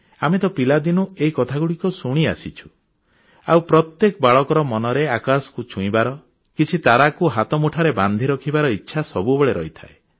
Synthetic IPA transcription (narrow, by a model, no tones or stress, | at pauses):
amet̪ɔpilad̪inueikɔt̪ʰaɡuɽikɔsuɽ̃ia̰sit͡ʃʰu̥ | a̰wpɾɔt̪jekɔbaɭɔkɔɾɔmɔnɔɾeakaskut͡ʃʰũĩbaɾɔ | kit͡ʃʰit̪aɾakuɦat̪ɔmuʈʰaɾeband̪ʱiɾɔkʰibaɾɔitːʃʰasɔbubɔɭeɾɔ̰ɦit̪ʰa̰e